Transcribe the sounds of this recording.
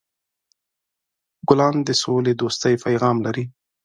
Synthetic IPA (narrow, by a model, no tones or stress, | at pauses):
ɡʊlɑnd̪əsoled̪ost̪əjpʰajɣɑmlaɾi